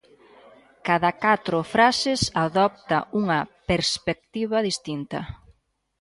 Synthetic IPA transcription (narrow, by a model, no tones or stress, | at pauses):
kaðɐkat̪ɾʊfɾasɪsaðɔp̚t̪ɐuŋɐpeɾspek̚t̪iβɐðist̪int̪ɐ